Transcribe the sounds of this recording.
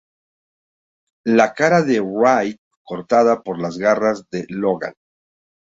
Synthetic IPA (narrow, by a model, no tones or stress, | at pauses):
lakaɾaðe̞ɾajt̪̚ko̞ɾt̪aðapo̞ɾlazɣarazðelo̞ɣa̰l